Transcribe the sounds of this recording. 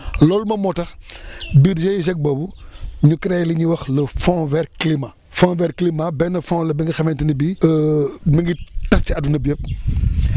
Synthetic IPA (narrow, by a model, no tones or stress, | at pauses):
lɔːlmɐmɔtɐxbiɾd͡ʒejiz̬ɛk̚bɔːbuɲukɾɛjliɲuwɐxləfɔ̃vɛɾklima | fɔ̃vɛɾklimabɛnɐfɔ̃lɐbiŋɡixɐmɛntinibiəmiŋɡitɐst͡ʃiɐdunɐbɛp̚